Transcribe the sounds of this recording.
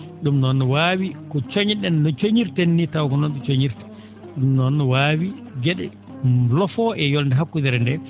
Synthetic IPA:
ɗumnɔnːɔwaːwikɔt͡ʃoɲɗɛnːɔt͡ʃoɲiɾtenːitawkɔnɔnɗut͡ʃoɲiɾtɛ̥ | ɗumnɔnːɔwaːwiɡɛɗɛ̰ | lɔfɔɛjɔlndɛɦakːudɛɾɛndɛ

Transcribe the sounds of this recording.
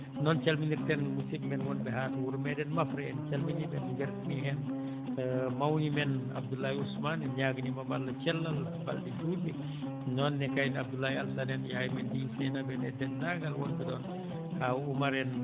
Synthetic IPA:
nɔnt͡ʃɛlminirtɛnmusibmɛnwɔnbɛɦaːtwuɾmɛdɛnmɐfɾɐɛnt͡ʃɛlminibɛnɡɛɾmiɦɛn | mawɲimɛna̰b̚dulːajusmanɛɲaɡnimɐbalːɐt͡ʃɛlːɐl | ba̰ldid͡ʒudi | nɔnːɛkajnab̚dulːajaldanɛnjaːjimɛndifɛnabɛnɛdɛndaɡalwɔnbɛdɔn | haumaɾɛn

